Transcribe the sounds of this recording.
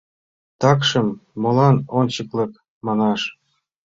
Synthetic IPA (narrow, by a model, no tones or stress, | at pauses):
t̪ɑkʃɤ̆mːolɑnont͡ɕɤklɤ̆k | mɑnɑʃ